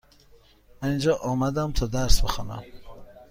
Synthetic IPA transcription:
mæind͡ʒɒːʔɒːmæd̪æmt̪ʰɒːd̪æɾsbexɒːnæ̰m

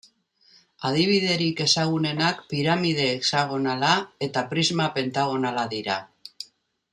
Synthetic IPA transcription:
að̞iβ̞iðe̞ɾike̞saɣ̞une̞nakpiɾamið̞e̞ːksaɣ̞o̞nalae̞t̪apɾizmape̞nt̪aɣ̞o̞nalaðiɾa̰

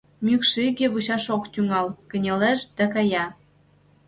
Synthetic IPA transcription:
mykʃiɣeβut͡ɕɑʃokt̪yŋɑlkə̆nʲeleʃd̪ækɑjɑ

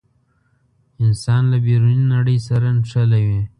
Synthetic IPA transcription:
ɪnsɑnlabeɾuninaɽəjsaɾanʂalawi

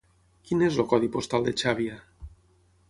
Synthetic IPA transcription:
kinezlokɔð̞ipost̪alˠd̪et͡ʃaβia

